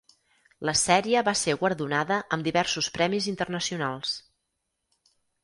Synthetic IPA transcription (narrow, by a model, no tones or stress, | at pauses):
ləsɛɾiəβaseɣwəɾðunaðəʔəmd̪iβɛrsuspɾɛmizint̪ərnəsiunalˠs